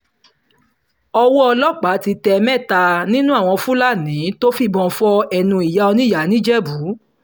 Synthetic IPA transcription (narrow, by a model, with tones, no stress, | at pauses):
ɔ˧wɔ˦ɔ˧lɔ˦˨k͡pa˨˦ti˧tɛ˧mɛ̃˦˨ta˧nĩ˦nũ˦a˦˨w̃ɔ̃˧fũ˦la˦˨nĩ˨˦to˦fi˦bɔ̃˧˨fɔ˧ɛ˧nũ˧i˨ja˨˦ɔ˧nĩ˦˨ja˨˦nĩ˦d͡ʒɛ˦bu˨˦